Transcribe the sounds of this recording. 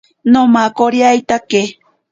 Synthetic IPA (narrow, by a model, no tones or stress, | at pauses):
nomakoɾjajt̪ake